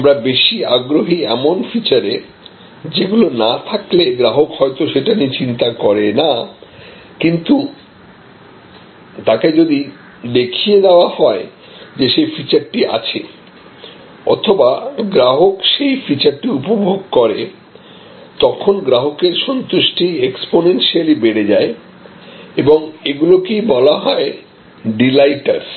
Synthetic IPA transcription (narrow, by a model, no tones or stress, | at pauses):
amɾabeʃiaɡɾoɦiɛmonfit͡ɕaɾe | d͡ʑeɡulonat̪ʰakleɡɾaɦokhɔet̪oʃeʈanit͡ɕint̪akɔɾena | kint̪u | t̪aked͡ʑod̪i | d̪ekʰied̪ɛoahɔe | d͡ʑeʃejfit͡ɕaɾʈiʔa̰t͡ɕʰḛ | ɔ̰t̪ʰobaɡɾaɦokʃejfit͡ɕaɾʈiupobʱoɡkoɾe | t̪ɔkʰonɡɾaɦokeɾʃɔnt̪uʃʈieksponenʃialibeɽed͡ʑae | eboŋeɡulokibɔlaɦɔe | ɖilajʈa̰ɾ